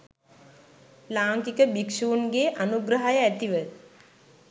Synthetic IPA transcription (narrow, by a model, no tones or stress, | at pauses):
laːŋkikəbikʃuːnɡeːʔanuɡɾəɦajəæt̪iʋə